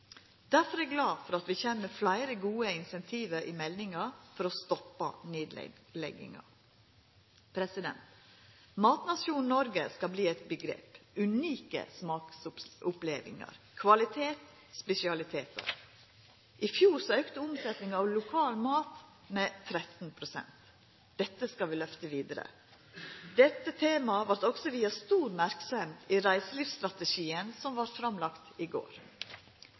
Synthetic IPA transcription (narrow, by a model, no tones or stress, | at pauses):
d̪æɾfɔɾæːɡlɑːfɔɾɑt̪ʋiːçeːmːəflæɪɾəɡuːəɪnsɛnt̪ʰiːʋəɾʔimɛlnɪŋɑɾfɔɾɔst̪ɔpːɑ̰neːd̪̰lɛ̰ɡɪ̰ŋɑ̰ | pʰɾɛsɪd̪ɛ̰nt̪ | mɑːt̪nɑsjuːnnɔɾɡəskɑbliːɛt̪bəɡɾḛːpʉniːkə̰smɑːksʊpleːʋɪ̰ŋɑ̰ɾ | kʰʋɑlɪt̪ʰeːt̪ | spɛsɪɑlɪt̪ʰeːt̪ʰə̰ɾ | ʔɪfjuːɾsɔœːkt̪əʊmsɛt̪nɪŋɑʋlʊkʰɑːlmɑːt̪ | mɛt̪ʰɾɛt̪n̩pʰɾʊsɛ̰nt̪ | d̪̥ɛt̪ːəskɑʋɪlœft̪əʋiːd̪əɾə̰ | d̪ɛt̪ːət̪ʰeːmɑʋɑɾʈ̪ɔɡsɔʋiːɑst̪uːɾmæɾksɔmiɾæɪsəliːfst̪ɾɑt̪əʃiːənsɔmʋɑɾfɾɑmlɑkt̪ɪɡo̰ːɾ